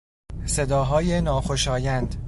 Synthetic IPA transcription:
se̞d̪ɒːɦɒːjenɒːxoʃɒːjænd̪

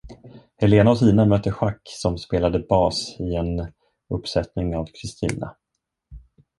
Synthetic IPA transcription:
hɛleːnaɔsiːnamœːt̪ːəɧakːsɔmspeːlad̪əbɑːsɪɛn | ɵpːsɛt̪nɪŋavkʰɾɪst̪ʰḭːna̰

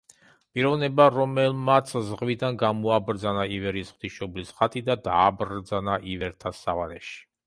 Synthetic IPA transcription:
pʼiɾɔvnɛbaɾɔmɛlmat̪sʰzʁvid̪anɡamɔabɾd̪zanaivɛɾisχwd̪̥iʃɔblisχat̪ʼid̪ad̪aːbɾd̪zanaʔivɛɾt̪ʰasːavalɛ̰ʃi̥

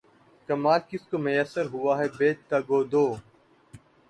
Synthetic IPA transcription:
kəmaːlkɪskoːmʊjəsəɾɦʊaːɦɛːbeːt͡ʃt̪aːɡoːd̪oː

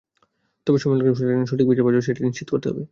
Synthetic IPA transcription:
t̪ɔbeʃɔmalokeeneʃoʈik̚bid͡ʑabɔd͡ʑoʃ̬eʈiniʃt͡ɕit̪okoɾt̪eɦɔ̰be

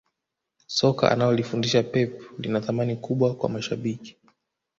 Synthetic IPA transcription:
sɔka̰ʔa̰najɔlifundiʃapɛplinaθamanikuɓwakwa̰maʃaɓiki̥

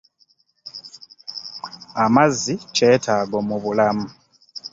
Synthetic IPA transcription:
amazice̞ːtʰaːɡomuβulamu

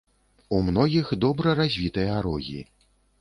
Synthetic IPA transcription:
umnɔɣʲixd̪ɔbɾɐɾazʲvʲit̪ɨjɐaɾɔɣʲḭ

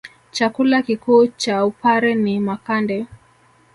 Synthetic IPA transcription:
t͡ʃakulakikuːt͡ʃaupaɾɛnimakandɛ

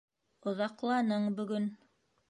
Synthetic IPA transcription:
ŏðɑqlˠɑnɤɴbɵ̆ɡɵn

